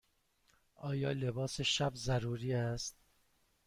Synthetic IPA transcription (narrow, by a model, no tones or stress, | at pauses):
ʔɒːjɒːle̞bɒːse̞ʃæbzæɾuːɾiːæst̪̚